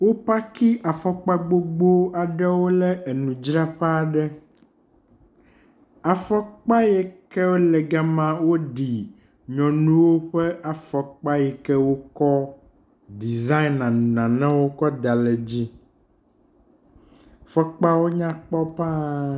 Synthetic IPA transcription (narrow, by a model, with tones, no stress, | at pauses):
wo˦pa˦ki˦ʔa˨fɔ˦k͡pa˦ɡ͡bo˦ɡ͡bo˦a˨ɖɛ˦wo˦lɛ˦e˨nũ˨d͡ʒɾa˦ɸa˦˨ɖɛ˦ | a˨fɔ˦k͡pa˦jɛ˨kɛ˦wo˦lɛ˨ɡa˦mã˦wo˦ɖi˨ | ɲɔ̃˨nũ˦wo˦ɸɛ˦ʔa˨fɔ˨k͡pa˦jɛ˨kɛ˦wo˦kɔ˦ | ɖi˨za˦i˦nã˨nã˨nã˦wo˦kɔ˦d̪a˨lɛ˨d͡ʑi˦ | fɔ˦k͡pa˦wo˦ɲã˦k͡pɔ˦pa˦